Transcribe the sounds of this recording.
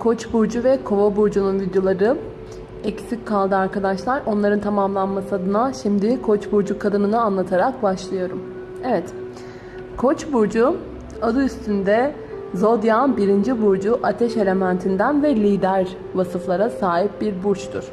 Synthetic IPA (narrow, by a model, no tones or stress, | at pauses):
kʰo̞t͡ʃbuɾd͡ʒuvɛkʰo̞vabuɾd͡ʒununvid̪jo̞lˠaɾɯ | ɛcsickʰːalˠd̪ɯaɾkad̪aʃlˠaɾo̞nlˠaɾɯnt̪ʰamamlˠanmasɯad̪ɯnaʃimd̪ɪkʰo̞t͡ʃbuɾd͡ʒukʰːad̪ɯnɯnɯanlˠat̪ʰaɾak̚baʃlˠɯjo̞ɾum | evɛt̪ | kʰo̞t͡ʃbuɾd͡ʒu | ad̪ɯyst̪ʰynd̪ɛ | zo̞d̪janbiɾind͡ʒibuɾd͡ʒuʔat̪ʰɛʃe̞lʲe̞mænt̪ʰind̪ænvɛlʲiːd̪æɾ | vasɯflˠaɾasaːɦip̚biɾbuɾt͡ʃt̪ʰuɾ̥